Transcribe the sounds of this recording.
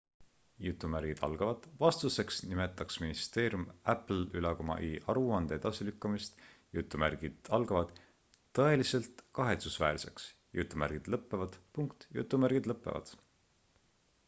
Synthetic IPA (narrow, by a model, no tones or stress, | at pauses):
jut̪ːˑumæɾɡ̥id̪̥ɑ̰lɡ̥ɑvɑd̪̥vɑst̪use̞ksnime̞t̪ːˑɑksminist̪e̞ːɾjumæpl̩ylɑkomɑ̰ʔiʔɑɾuɑnd̪̥eed̪̥ɑsilykːɑmist̪jut̪ːˑumæɾɡ̥id̪̥ɑlɡ̥ɑvɑd̪̥ː | ɤe̞lise̞lt̪kɑɦe̞t̪susvæ̰ːɾse̞̰ks | jut̪ːˑumæ̰ɾɡ̥id̪̥lɤpːe̞vɑd̪̥puŋkt̪jṵt̪ːˑumærɡ̥id̪lɤpːˑevɑ̰d̪̥